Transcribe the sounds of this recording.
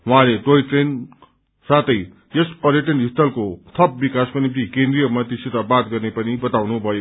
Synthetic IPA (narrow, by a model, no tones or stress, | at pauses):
wɦãlet̪oiʈren | sat̪ʌj | jespʌɾjʌʈʌnist̪ʌlkot̪ʰʌp̚bikaskonip̚t̪ikẽnd̪ɾijʌmʌt̪isit̪abat̪̚ɡʌrnepʌnibʌt̪awnubʱʌjo